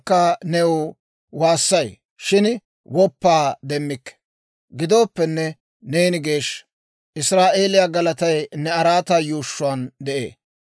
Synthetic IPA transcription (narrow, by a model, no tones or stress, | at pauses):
kːɐnɛwʊ | waːsːɐj | ʃɪn | wɔpːaːd̪ɛmːɪkːɛ̥ | ɡɪd̪o̞ːpːɛnːɛ | neːnɪɡe̞ːʃ | ʔɪsɾaːʔe̞ːlɪjaɡɐlɐt̪ɐjnɛɐɾaːt̪aːjuːʃːʊand̪ɛʔḛː